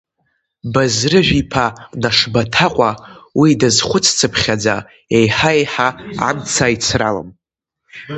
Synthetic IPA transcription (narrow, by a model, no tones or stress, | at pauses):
bazrɨʒᶣipʰanaʂbatʰaqʷʼawidazχʷʊt͡sʰt͡sʰɨpʰχʲad͡za | ejħaejħaa̰mt͡sʰait͡sʰralə̰m